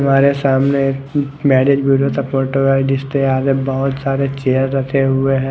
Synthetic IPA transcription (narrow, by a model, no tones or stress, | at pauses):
ɐmaːɾesaːmnek | mɛːɖed͡ʒbuɾot̪ɐkmoːʈoʋad͡ʒɪst̪eaːd͡ʒebɔɦʊt̪saːɾet͡ʃejəɾɾɐt̪ʰeɦʊeɦɛ̃